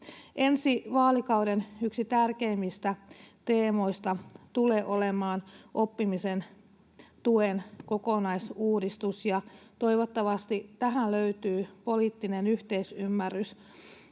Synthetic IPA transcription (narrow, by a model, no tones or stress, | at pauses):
ʔensiʋɑːlikɑwdenyksit̪ærkeimːist̪æt̪eːmo̞ist̪ɑt̪uleːʔo̞lemɑːnʔo̞pːimisen | t̪uenkokonɑisuːdist̪usjɑt̪oiʋot̪ːɑʋɑst̪it̪æɦænløyt̪yːpoliːt̪ːinenyht̪eisymːærːys